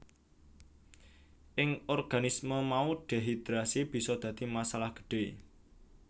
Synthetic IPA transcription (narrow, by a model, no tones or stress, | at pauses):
ʔɪŋɔrɡ̥a̤nisməmauɖ̥e̤ɦid̪ɾasib̥i̤sɔd̪̥ä̤d̪̥i̤masalahɡ̥ə̥ɖ̥e̤